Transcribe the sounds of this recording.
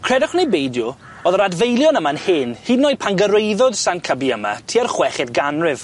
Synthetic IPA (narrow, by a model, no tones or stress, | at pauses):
kʰr̥ɛdɔχwnejbejdjʊ | ɔðəɾadvejlˠjɔnəmaənhɪnhiːdnɔjpʰanɡəɾejðɔd̥sankʰəbiəma̰tʰiarχwɛχɪdɡanrɪv